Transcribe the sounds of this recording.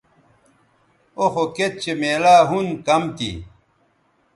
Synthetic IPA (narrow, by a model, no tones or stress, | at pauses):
oxoket̪̚t͡ɕemeːlaːɦunkɐmt̪ḭ